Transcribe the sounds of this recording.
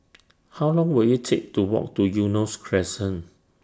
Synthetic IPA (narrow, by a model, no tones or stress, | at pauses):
hawlɔ̃ŋwiljutʰek̚tuwɔ̰k̚tujunoskʰɹɛsə̃n